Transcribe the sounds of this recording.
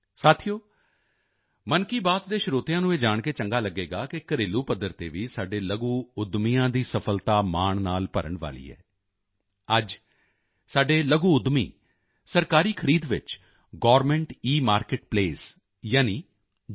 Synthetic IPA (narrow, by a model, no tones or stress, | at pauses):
saːt̪ʰijoː | mənkiːbaːt̪d̪eːʃʊɾoːt̪ɪjãːnũːeːd͡ʒaːɳkeːt͡ʃəŋɡaːləɡːeːɡaːkɪkəɾeːluːpəd̪ːəɾt̪ḛːʋiːsaːɖeːləɡuːʊd̪mijãːd̪iːsəpʰəlt̪aːmaːɳnaːlpəɾə̰ɳʋa̰ːlḭːɛ̰ː | əd͡ʒ | saːɖeːləɡũːʊd̪mḭː | səɾkaːɾiːkʰəɾiːd̪ʋɪ̰t͡ʃ | ɡɔːɾmɛ̃ɳʈiːmaːɾkɪʈ̚pleːs | jaːniː